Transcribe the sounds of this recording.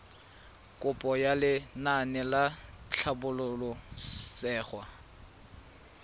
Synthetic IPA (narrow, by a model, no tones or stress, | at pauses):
kʼʊpʼɔjalɪnanɛlat͡ɬʰabʊlʊlɔsɛːχwa